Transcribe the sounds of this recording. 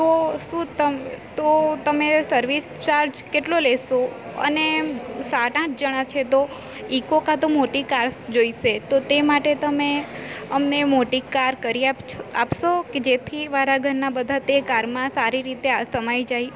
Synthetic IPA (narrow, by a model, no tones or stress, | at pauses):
t̪oʃũt̪əmt̪ot̪əmesəɾʋist͡ʃaɾd͡ʒkeʈlolɛʃoə̰nesaʈãt͡ʃd͡ʒəɽ̃at͡ʃʰet̪o | ikokãt̪omoʈikaɾsd͡ʒoiʃet̪ot̪emaʈet̪əmeəmnemoʈikaɾkəɾiapt͡ʃʰapʃoked͡ʒet̪ʰimaɾaɡʱəɾnabəd̪ʱat̪ekaɾmãsaɾiɾit̪easəmajd͡ʒaj